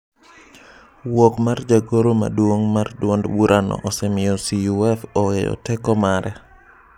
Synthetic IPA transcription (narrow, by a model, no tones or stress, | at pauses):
wokmard͡ʒaɡoɾoma̰dwoŋmardwɔndbuɾʔanɔ̰ʔɔsɛmɪɔsiuɛfɔejɔ̰tɛkɔmaɾʔɛ